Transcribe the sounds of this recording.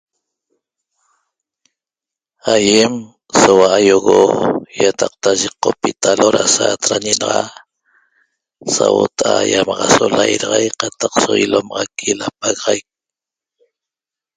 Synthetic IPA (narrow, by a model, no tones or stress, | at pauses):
ajem | sowaʔajoɣojat̪ɑq̚t̪aʒeqːopit̪aloɾasaːt̪ɾaɲenɑʁɑ | sawot̪aʔajamɑʁɑsolajɾɑʁɑjqɑt̪aqsoilomɑʁɑkʰilap̚aɣɑʁajk̚